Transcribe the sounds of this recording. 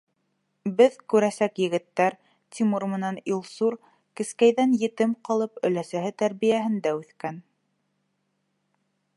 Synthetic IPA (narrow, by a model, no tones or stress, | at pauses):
bɘðkʉɾæsækjɘ̆ɡɘ̆t̪ːæɾ | t̪ʰʲimuɾmɘ̆nænilˠsuɾ | kɘ̆skæjðænjɘ̆t̪ɘmqɑlˠɤpɵ̆læsæɦɘt̪æɾβijæɦɘ̆nd̪æʉθkæn